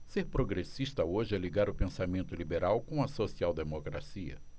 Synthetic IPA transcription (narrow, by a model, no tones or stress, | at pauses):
seɾpɾoɡɾesiʃt̪ɐoʒɪɛliɡaɾʊpẽsamẽnt̪ʊlibeɾawkõw̃ɐsosiawd̪emokɾa̰siɐ̰